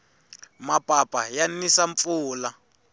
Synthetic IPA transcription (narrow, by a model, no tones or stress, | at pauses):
mapʼapʼajanisaɱp̪fuːla